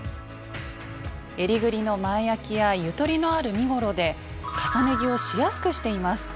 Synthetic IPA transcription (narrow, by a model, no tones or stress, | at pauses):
e̞ɾʲiɡɯ̟ɾʲino̞maejakʲijajɯ̟t̪o̞ɾʲino̞aɾɯ̟mʲiɡo̞ɾo̞d̪e̞ | kasane̞ɡʲio̞ɕijasɨ̥kɯ̟ɕi̥t̪e̞imasɨ̥